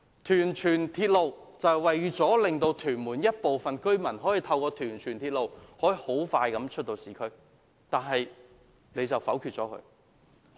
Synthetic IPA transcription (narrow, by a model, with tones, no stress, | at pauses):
t̪ʰyː˨˩nt͡ʃʰyː˨˩nt̪ʰiː˧t̚lo˨˧wt͡sɐ˨wwɐ˨jɥyː˨˧t͡sɔː˨˥lɪ˨ŋt̪o˧wt̪ʰyː˨˩nmuː˨˩njɐ˥t̚po˨wfɐ˨nkɵ˥ɥmɐ˨˩nɦɔː˨˥jiː˨˩t̪ʰɐ˧wkɔː˧t̪ʰyː˨˩nt͡ʃʰyː˨˩nt̪ʰiː˧t̚lo˨whɔː˨˥ji˨˧ho˨˥wfaː˧jkɐ˨˥mt͡ʃʰɵ˥t̚t̪o˧wsiː˨kʰɵ˥ɥ | t̪aː˨˩nɦɐ˨j | ne˨˧jt͡sɐ˨˩wfɐ˨˥wkʰy˧t̚t͡sɔː˨˥kʰɵ̰˧